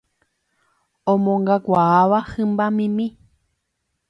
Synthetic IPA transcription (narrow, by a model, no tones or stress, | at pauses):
õmõŋɡakʷaaʋahɨ̃mbamĩmĩ